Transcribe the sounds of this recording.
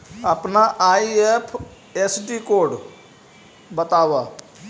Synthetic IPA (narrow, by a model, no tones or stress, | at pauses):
əpnaːʔaːieːpʰ | eːsɖiːkoːɖ | bət̪aːʋaː